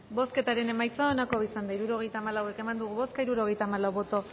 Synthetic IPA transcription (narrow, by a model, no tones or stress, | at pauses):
bo̞ske̞t̪aɾe̞ne̞majt͡saonako̞isand̪aiɾuɾo̞ɣ̞e̞jt̪aːmalawe̞ke̞mand̪uɣuβo̞skaiɾuɾo̞ɣ̞e̞jt̪aːmalawβo̞t̪o̞